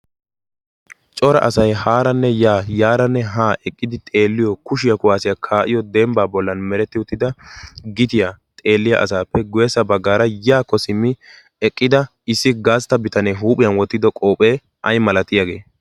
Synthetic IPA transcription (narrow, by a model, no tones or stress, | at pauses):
t͡ʃʼɔɾɐ̰ʔɐsɐjhaːɾɐnːɛjaːjaːɾɐnːɛɦaːʔɛkʼːɪd̪ɪt̪ʼe̞ːlːɪjɔkʊʃɪjɐkʊwaːsɪjakʰaːʔɪjɔd̪ɛmbaːbɔlːɐnmɛɾɛt̪ːɪʊt̪ːɪd̪ɐɡɪt̪ɪjat̪ʼe̞ːlːɪjɐ̰ʔɐ̰saːpːɛɡʊjɛsɐbɐɡːaːɾɐjaːkːɔsɪmːɪ | ɛkʼːɪd̪ɐ | ɪsːɪɡaːst̪ɐbɪt̪ɐnɛɦuːpʼɪjɐnwɔt̪ːɪd̪ɔkʼoːpʼeː | ʔɐjmɐlɐt̪ɪjaɡe̞ː